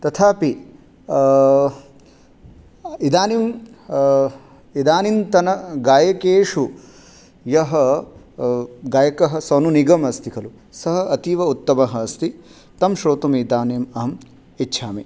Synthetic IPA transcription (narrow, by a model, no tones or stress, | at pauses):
t̪ɐt̪ʰaːpi | id̪aːnim | id̪aːnint̪ɐnɐɡaːjɐkeːʂu | jɐɦɐ | ɡaːjɐkɐɦɐ̆sɐnuniɡɐmɐst̪ʰikʰɐlu | sɐɦɐɐt̪iʋɐut̪ːɐmɐɦɐːst̪i | t̪ɐmʃɾoːt̪umid̪aːnjemɐɦɐm | itːʃʰaːmi